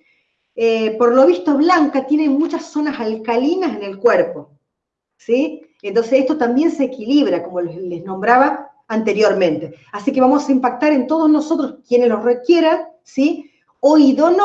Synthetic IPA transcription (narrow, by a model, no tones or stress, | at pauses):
epo̞ɾlo̞βist̪oβlaŋkat̪je̞ne̞mut͡ʃasso̞nasalkalinase̞ne̞lkweɾpo̞ | sient̪o̞nsesest̪o̞t̪ambje̞nse̞ːkiliβ̞ɾako̞moleznõ̞mbɾaβaː | nt̪e̞ɾjo̞ɾmẽ̞nt̪e̞asikeβamo̞saimpak̚t̪aɾe̞nt̪o̞ð̞ozno̞so̞t̪ɾoskje̞neno̞sre̞kje̞ɾa | si | oiðon